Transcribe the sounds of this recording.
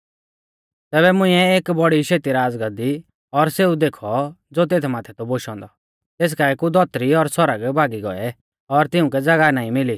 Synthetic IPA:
t̪ɛːβɛmʊ̃ĩɛeːkbɔɽiʃeːt̪iɾaːd͡zɡəd̪i | ɔɾseːud̪eːkʰɔd͡zoːt̪̬eːt̪ʰmaːt̪ʰɛt̪ɔboʃɔ̃ːnd̪ɔ | t̪eːs̬kaɛkud̪ɔt̪ɾiɔɾsɔɾəɡbʱaːɡiɡɔ̰ɛ | ɔɾt̪ɪũk̬ɛd͡zɐɡanaːĩmɪli

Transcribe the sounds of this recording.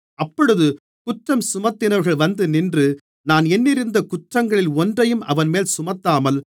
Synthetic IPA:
ɐpːɔɽɯðɯ | kʊʈrɐmsʊmɐt̪ːɪnɐɾɣɐɭʋɐnd̪ɯnɪndrɯ | naːnɛnːɪɾɯnd̪ɐkʊʈrɐŋɡɐɭɪlɔndrɐjɯmɐ̰ʋɐnmeːlsʊmɐt̪ːaːmɐl

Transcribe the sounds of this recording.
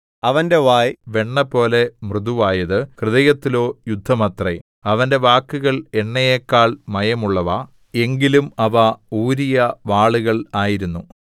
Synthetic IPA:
ɐʋɐnde̞ʋaːjʋe̞ɳːɐpo̞ːle̞mrɨðuʋaːjɐðɨkrɨðɐjɐt̪ːilo̞ːjud̪ʱːɐmɐt̪re | ɐʋɐnde̞ʋaːkːuɣɐɭe̞ɳːɐjeːkːaːɭmɐjɐmuɭːɐʋɐ | e̞ŋɡilumɐʋɐuːɾijɐʋaːɭuɣɐɭaːjiɾunːu

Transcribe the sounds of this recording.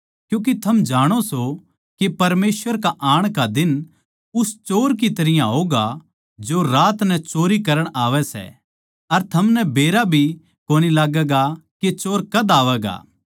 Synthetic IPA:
kjũːk̬it̪ʰɐmd͡ʒaːɽ̃oso | kepɐɾmeːsʋəɾkaʔaːɽ̃kad̪ɪn | ʊst͡ʃoːɾk̬it̪ɐɾɪjãɦoːɡa | d͡ʒoɾaːt̪nɛt͡ʃoːɾikɐɾəɽ̃aːʋɛsɛ̰ | ɐɾt̪ʰɐmnɛbeːɾabʱi | koːnilaːɡɛːɡaket͡ʃoːɾkɐd̪aːʋɛːɡa̰ː

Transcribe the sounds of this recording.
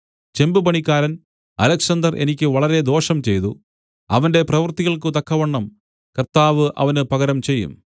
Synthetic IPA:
t͡ɕe̞mbɨpɐɳikʲːaːɾɐn | ɐlɐkʂɐnd̪ɐrʔe̞̰nikʲːɨʋɐɭɐɾe̞d̪o̞ːʂɐmt͡ɕe̞jt̪u | ɐ̰ʋɐnde̞prɐʋɐrt̪iɣɐɭk̬ɨt̪ɐkʰːɐʋɐɳːɐm | kɐrt̪aːʋɨʔɐ̰ʋɐnɨpɐɣɐɾɐmt͡ɕe̞jːṵm

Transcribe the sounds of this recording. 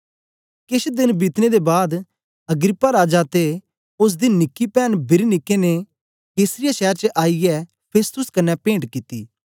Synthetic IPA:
kɪʃd̪ɪnbɪt̪ned̪ebaːd̪ | ɐɡɾɪpːaɾaːd͡ʒat̪e | ʊs̬d̪inɪkːipɛːnbɪɾinɪkːene | keːsɾɪjaʃɛːɾt͡ʃəʔaːijɛ | pʰeːst̪ʊskɐnːɛpẽːɳʈkɪt̪ːiː

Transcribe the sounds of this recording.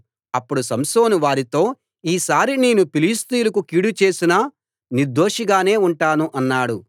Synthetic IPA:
ɐpːuɽusɐmsoːnuʋaːɾit̪o̞ː | iːsaːɾineːnupiliːst̪ijulɐkukiːɽut͡ʃeːsinɐ | niɾd̪o̞ːʂiɡaːne̞ːuɳʈaːnuʔɐnːaːɽu

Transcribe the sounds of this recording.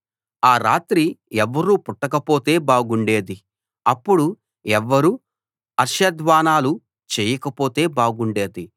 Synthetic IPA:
aːɾaːt̪ɾiɛʋːɐɾuːpuʈːɐkɐpo̞ːt̪e̞ːbaːɡuɳɖe̞ːd̪i | ɐpːuɽu | ɛʋːɐɾuː | ɐɾʃɐd̪ʋaːnaːlu | t͡ʃeːjɐkɐpo̞ːt̪e̞ːbaːɡuɳɖe̞ːd̪i

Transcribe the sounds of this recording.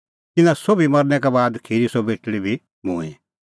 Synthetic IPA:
t̪ɪnãsobimɐɾnɛkabaːd̪kʰiɾisobeːʈɽibʱi | mṵ̃ːɛ̃

